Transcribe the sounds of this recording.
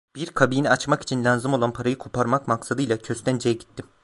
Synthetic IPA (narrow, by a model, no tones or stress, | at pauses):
b̥iɾkʰabiːniat͡ʃmaki̥t͡ʃʰinlʲanzɯmo̞lˠanpʰaɾajɯkʰo̞pʰaɾmakmaksad̪ɯjlˠacʰøst̪ænd͡ʒejɛɟit̪ʰːim